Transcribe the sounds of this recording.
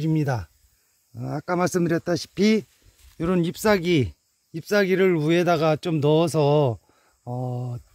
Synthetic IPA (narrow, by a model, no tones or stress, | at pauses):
ɾimɲida | ak͈amaɭs͈ɯmdɯɾjʌt̚t͈aɕʰi̥pʰi | joɾʌnip̚s͈aɡiː | p̚s͈aɡiɾɯɭue̞daɡat͡ɕomnʌsʰʌ | ʌ